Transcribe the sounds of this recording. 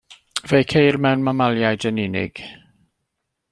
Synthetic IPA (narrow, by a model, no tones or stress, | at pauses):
vejkʰejrmɛwnmamalˠjajdənɪnɪ̰ɡ̥